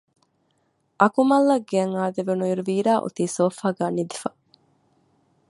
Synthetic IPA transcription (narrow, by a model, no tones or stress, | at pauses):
ʔɐkumɐlːɐɡeɐŋaːd̪eʋenuiɾuʋiːɾaːʔo̰t̪iːsoːfaːɡæːnid̪ifɐ